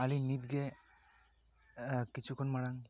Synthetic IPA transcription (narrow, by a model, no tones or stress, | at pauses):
alinit̪̚ɡe | kit͡ʃʰukʰɔnmaɽaŋ